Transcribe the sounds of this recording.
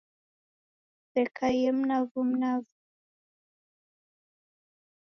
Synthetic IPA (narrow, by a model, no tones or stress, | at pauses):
fɛkajɛm̩navum̩navu